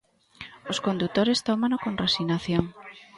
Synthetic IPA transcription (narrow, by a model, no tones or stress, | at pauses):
oskond̪ut̪oɾest̪omanokonresinaθjoŋ